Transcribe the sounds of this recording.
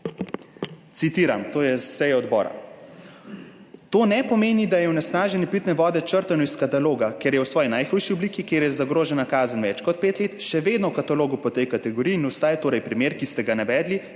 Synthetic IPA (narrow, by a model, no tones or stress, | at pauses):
t̪sit̪iːɾa̰mt̪oːjɛsɛjɛɔd̪bɔ̰ːɾa̰ | t̪oːnɛpɔmeːnid̪ajɛwnɛsnaːʒɛnipit̪nɛʋɔːd̪ɛt͡ʃəɾt̪anɔiskat̪aloːɡakeɾjɛwsʋɔːjinajxujʃiɔbliːkikeːɾjɛzaɡɾoːʒɛnakaːzənʋɛt͡ʃkɔt̪̚peːt̪leːt̪ʃɛʋeːd̪nɔwkat̪aloːɡupɔt̪ɛjkat̪ɛɡɔɾiːiːnɔst̪aːjɛt̪oːɾɛjpɾimeːɾkist̪ɛɡanaʋɛːd̪li